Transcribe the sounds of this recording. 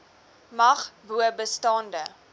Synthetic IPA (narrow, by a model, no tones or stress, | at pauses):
mɐχbuəbəstɑːndə